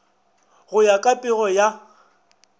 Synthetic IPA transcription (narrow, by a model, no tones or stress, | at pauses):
ɣʊjakʼapʼɪɣɔja